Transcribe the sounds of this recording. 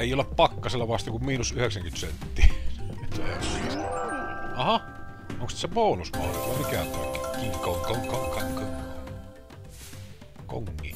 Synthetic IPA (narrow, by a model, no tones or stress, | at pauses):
eˑijoleppɑkːɑselːɑʋɑst̪eŋkummiːnusyheksæŋkyt̪sḛnt̪ːiːit̪ːehessḭːst̪oɑhɑ | oŋksit̪sepoˑunuspɑ̰hriʋɑˑmikæpo̰ˑikːˑekiːkoŋkokoŋkɑko | ko̰ŋːḭː